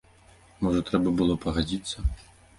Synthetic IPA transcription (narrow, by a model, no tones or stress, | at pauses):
mɔʐɐt̪ɾɛbɐbɨlˠɔpɐɣad͡zʲit̪sːɐ